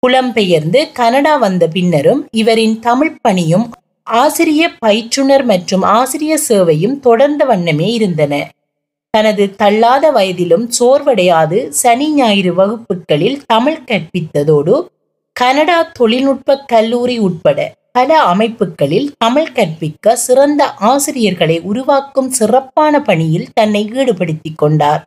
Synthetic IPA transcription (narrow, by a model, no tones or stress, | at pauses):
kʊlɐmpɛjɐɾnd̪ɯkɐnɐɽaːʋɐnd̪ɐpɪnːɐɾɯmɪʋɐɾɪnt̪ɐmɪɻpɐɳɪjɯm | aːsɪɾɪjɐpɐjt͡ʃrɯɳɐɾmɐʈrɯmaːsɪɾɪjɐseːʋɐjɯmt̪ɔɽɐɾnd̪ɐʋɐɳːɐmeːɪɾɯnd̪ɐnɐ | t̪ɐnɐðɯt̪ɐɭːaːðɐʋɐjɐðɪlɯmsoːɾʋɐɽɐjaːðɯsɐnɪɲaːjɪɾɯʋɐɣɯpːɯkːɐɭɪlt̪ɐmɪɭkɐrpɪt̪ːɐðoːɽɯ | kɐnɐɽaːt̪ɔɭɪlʊʈ̚pɐkːɐlːuːɾiʊʈ̚pɐɽɐ̰pɐlɐɐmɐɪpːɯkːɐɭɪlt̪ɐmɪɭkɐrpɪkːɐsɪrɐnd̪ɐʔaːsɪɾɪjɐɾɣɐɭɐɪʔʊɾʊʋaːkːɯmsɪrɐpːaːnɐpɐɳɪjɪlt̪ɐnːɐɪiːɽɯpɐɽɯt̪ːɪkːɔɳɖaːɾ